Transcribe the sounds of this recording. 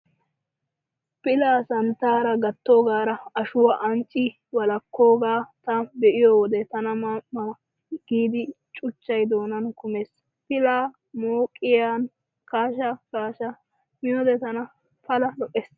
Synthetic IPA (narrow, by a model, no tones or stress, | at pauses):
pɪlaːsɐnt̪aːɾɐɡɐt̪ːo̞ːɡaːɾɐɐʃʊwɐʔɐnt͡ʃʼɪ | wɐlɐkːo̞ːɡaːt̪ɐbɛʔɪjowɔd̪ɛt̪ɐnɐmaɐ | ɡ̥iːd̪ɪ | t͡ʃʼʊt͡ʃːɐjd̪o̞ːnɐnkʊmeːs | pɪlaː | moːkʼːɪjaːn | kaːʃɐkaːʃɐ | mɪjɔd̪ɛt̪ɐnɐ | pɐlɐlɔʔeːs